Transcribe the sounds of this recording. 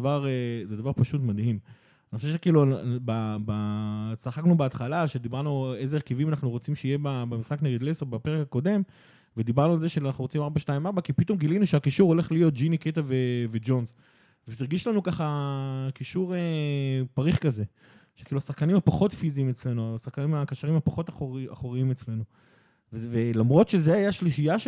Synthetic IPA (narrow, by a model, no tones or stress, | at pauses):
vaʁezed̪avaʁpaʃutmad̪him | aanixoʃefʃekiːlubabasaχaknubeat̪χalaʃed̪ibaʁnue̞zeeʁkivimanaχnuʁot͡simʃeijebabemisχakne̞ɡed̪leseʁbapeʁekako̞de̞m | ved̪ibaʁnualzeʃeanaχnuʁot͡simaʁbaʃtaimaʁbakipito̞mɡilinuʃeakiʃuʁo̞le̞χlijo̞t̚d͡ʒiniket̪aveved͡ʒo̞nz | veiʁɡiʃlanukaχakiʃuʁepaʁiχkaze̞ | ʃe̥kiːluasaχkanimhapaχo̞t̪fiziːmet͡sle̞nuasaχkanimakaʃaʁimhapaχo̞t̪aχa̰χoʁiimet͡sle̞nu | vvelamʁo̞t̪ʃezeajaʃliʃijaʃ